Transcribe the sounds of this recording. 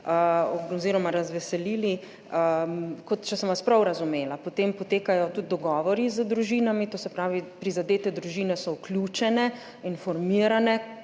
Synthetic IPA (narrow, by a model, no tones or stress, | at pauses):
əooziːɾɔmaɾazʋɛsɛliːli | əkɔt̪t͡ʃɛsɔmʋaspɾawɾazumeːlapot̪empɔt̪eːkajɔt̪ut̪̚d̪ɔɡɔːʋɔɾizəd̪ɾuʒiːnamit̪oːsɛpɾaːʋipɾizad̪eːt̪ɛd̪ɾuʒiːnɛsɔukljuːt͡ʃɛnɛ | infɔɾmiəɾanɛ